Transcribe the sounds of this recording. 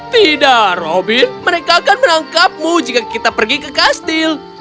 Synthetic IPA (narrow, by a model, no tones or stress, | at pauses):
t̪idaʔrobɪnməɾekaːkanmənaŋkap̚mud͡ʒikakit̪apərɡikəkast̪ɪl